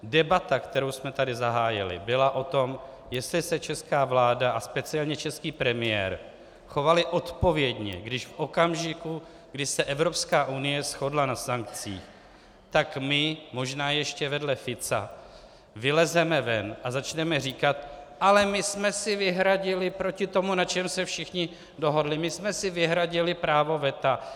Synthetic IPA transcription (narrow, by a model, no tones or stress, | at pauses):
dɛbat̪akt̪ɛɾowsmɛt̪adɪzaɦaːjɪ̰lɪ̰bɪlaʔo̞t̪o̞m | jɛst̪lɪsɛt͡ʃɛskaːvlaːdaʔaspɛt͡sɪɛlɲɛt͡ʃɛskiːpɾɛmɪjɛ̰ːɾ | xo̞valɪʔo̞t̪po̞vjɛdɲɛ̰ɡdɪʃfʔo̞kamʒɪku | ɡdɪʃsɛʔɛvɾo̞pskaːʔunɪjɛsxo̞dlanasaŋk̚t͡sḭːx | t̪akmɪmo̞ʒnaːjɛʃcɛvɛdlɛfɪt͡sa̰ | vɪlɛzɛmɛvɛnʔazat͡ʃnɛmɛriːkat̪̚ʔalɛmɪsmɛsɪvɪɦɾaɟɪlɪpɾocɪt̪o̞munat͡ʃɛmsɛfʃɪxɲɪ | do̞ɦo̞dlɪmɪsmɛsɪvɪɦɾaɟɪlɪpɾaːvo̞vɛt̪a